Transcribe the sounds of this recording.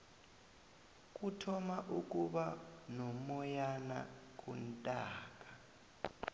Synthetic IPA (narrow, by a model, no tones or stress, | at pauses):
k̬ʼutʰɔmaʔukʼuɓanɔmɔjana̰k̬ʼuntʼaːkʼa